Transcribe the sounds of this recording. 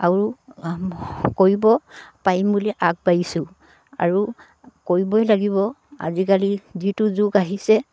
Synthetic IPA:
aɹu | koɹibɔpajmbuliʔak̚bajisʊ | a̰ɹu | koɹibɔɛlaɡibɔ | a̰zikalizituzuɡaɦisɛ

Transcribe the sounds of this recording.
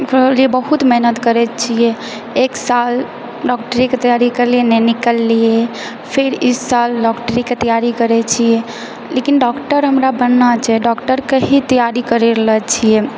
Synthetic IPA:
liebəɦut̪mɛɦnət̪kəɾɛt͡ʃʰijɛe | eksal | ɖɔk̚ʈəɾiket̪əjaɾikəɾlienɛnikəlːie | pʰeɾisalɖɔkʈɾiket̪əjaɾikəɾɛt͡ʃʰijɛ | lekinɖɔkʈəɾɦəmɾabənːat͡ʃʰɛɖɔkʈəɾkeɦit̪əjaɾikəɾeɾəɦət͡ʃʰije

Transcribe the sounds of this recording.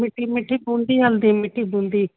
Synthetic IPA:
mɪʈimɪʈʰːiːbuːɳɖiːɦɐld̪imɪʈːibũːɳɖ̪iː

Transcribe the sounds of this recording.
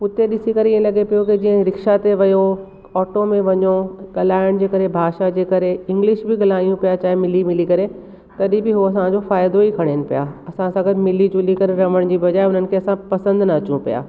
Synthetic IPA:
ʊt̪eɗɪsikɐɾeɪẽlɐɠepijokid͡ʑiːə̃ɾɪkʃat̪eʋɐjo | ɔːʈomẽʋɐɲoɠɐlaːɪɽ̃d͡ʑeːkɐɾebʱaːʃad͡ʑeːkɐɾeɪ̃ŋɡlɪʃbɪɡɐlaːijũpijat͡ɕaːɦemɪlimɪlikɐɾe | t̪ɐɗibɪɦoɐsãd͡ʑofaːjd̪oikʰɐɽ̃enɪ̆pijaːɐsãsãɡɐd̪mɪlid͡ʑʊlikɐɾeɾɐʋəɽ̃d͡ʑiːbɐd͡ʑaːɪʊn̤ənɪ̆kʰeɐsãpɐsə̃nd̪nɐɐt͡ɕũpija̰ː

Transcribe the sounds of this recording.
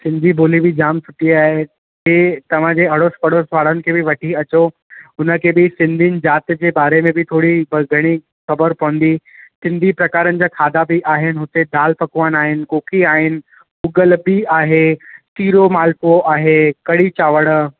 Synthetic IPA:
sɪ̃nd̪ʱibʱoːlibɪd͡ʑaːmsʊʈiaːɦe | d͡ʑeːt̪ɐʋ̤ãd͡ʑeːɐɽospɐɽ̤osʋaːɽ̤ənɪ̆kʰeːbɪʋɐʈʰiɐt͡ɕo | ʊnə̆kʰeːbɪsɪ̃nd̪ʱinɪ̆d͡ʑaːt̪d͡ʑeːbaːɾemẽbɪt̪ʰoːɽiɡʱɐɽ̃i | xɐbəɾpɐʋə̃n̆d̪isɪ̃nd̪ʱipɾɐkaːɾənɪ̆d͡ʑaːkʰaːd̪abɪʔaːɦɪnɪ̆ɦʊt̪ed̪aːlpɐkʋaːnaːɦɪnɪ̆koːkʰiaːɦɪnɪ̆ | ʊɡəlbiaːɦet̪iːɾomaːlpoʔaːɦekɐɽit͡ɕaːʋəɽ

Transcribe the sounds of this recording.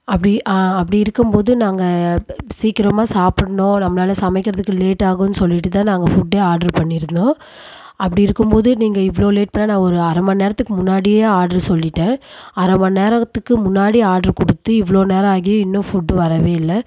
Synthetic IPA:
ɐpːɐɽiʔɐpːɐɽiɪɾɯkːɯmpoːðɯnaːŋɡɐsiːkɪɾɐmaːsaːpɪɽɐɳõːnɐmːɐnaːlɐsɐmɛɪkːɪɾɐðɯkːɯleːʈːaːɣʊ̃nːɯsɔlːɪʈːɯt̪ãːnaːŋɡɐfʊɖːeːaːɾɖɐɾpɐɳːɪɾɯnd̪õː | ʔɐpːɐɽiɪɾɯkːɯmpoːðɯniːŋɡɐɪʋɐɭoːleːʈ̚pɐɳːeːnãːɔɾɯɐɾɐmɐneːɾɐt̪ːɯkːɯmʊnːaːɽɪjeːaːɾɖɐɾsɔlːɪʈːẽːɐɾɐmɐneːɾɐt̪ːɯkːɯmʊnːaːɽiaːɖɐɾkɔɽɯt̪ːɯɪʋɐɭoːneːɾɐaːɣɪjʊ̃ɪnːʊ̃fʊɖːɯʋɐɾɐʋeːɪlːɐ

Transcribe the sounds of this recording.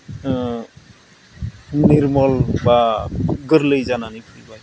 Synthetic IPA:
niɾmɔlbaɡɯɾləjzananipʰilba

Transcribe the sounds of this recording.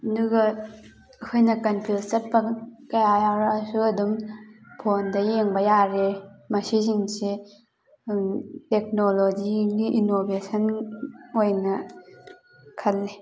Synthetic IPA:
ɐduɡɐ | ɐkʰojnɐkɐnpʰilsɐt̚pɐkɐjajaɾɐsuɐdumpʰondɐjeŋbɐjaɾemɐsiziŋse | tek̚nolod͡ʒiniʔinobesɐn | ojnɐ | kʰɐlːe

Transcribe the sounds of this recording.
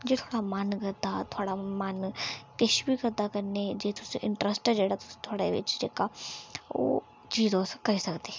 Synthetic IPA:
d͡ʒet̪ʰoːɽamanɡəd̪at̪ʰoːɽamankɪʃbiɡəd̪akɐɾned͡ʒet̪ʰʊseʔɪ̃ɳʈɾəsʈd͡ʒeːɽat̪ʊ̥se̥t̪ʰoːɽaʋɪ̰t͡ʃd͡ʒḛːka | o̰ː | d͡ʒiːd̪oːskɐɾisɐkd̪eː

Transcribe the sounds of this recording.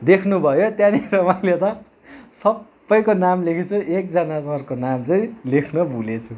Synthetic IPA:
d̪ekʰnubʱʌjot̪jãniɾʌmajlet̪ʌ | sʌbːʌjkonamlekʰit͡sʰuek̚d͡zʌnasʌrkonamt͡sʌĩlekʰnʌbʱulet͡sʰu

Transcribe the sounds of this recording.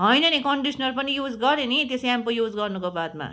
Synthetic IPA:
ɦʌjnʌnikʌɳɖisʰnʌrpʌnijud͡zɡʌɾenit̪eseampojud͡zɡʌrnukobad̪̚ma̰

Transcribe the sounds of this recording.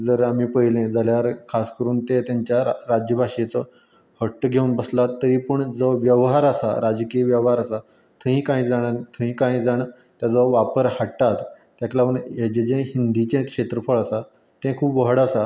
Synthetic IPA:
d͡zəɾamiːpəɦilẽd͡zaljaɾkʰaskəɾuːnt̪et̪jaɲt͡ɕjaɾad͡ʑjəbʱaʂet͡sə | həʈːəɡʱeuːnbəslat̪ːəɾiːpəɳd͡zɔʋjəʋɦaɾasa̰ɾad͡ʑkiʋjəʋɦaɾasa | t̪ʰə̃ĩkãĩːd͡zaɽ̃at̪ʰəĩkãĩd͡zaɽ̃a | t̪jad͡zəʋapəɾhaʈːat̪ː | jaklaəɳed͡ʑed͡ʑẽɦind̪it͡ɕẽkʂet̪ɾəfəɭasa | t̪ẽkʰuːbʋəɦɽasa

